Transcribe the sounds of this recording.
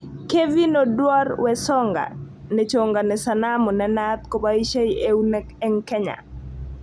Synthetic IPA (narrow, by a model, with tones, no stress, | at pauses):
ke˦vi˦nɔdwa˦rwɛ˨sɔ˦ŋɡa̰˨ | nɛ˨t͡ʃo˨ŋɡa˨nɛsa˨namɔ˨nɛna˦t̪ko˨bai˦ʃe˦ie˦unɛ | ɛ˦ŋkɛ˦ɲa̰˨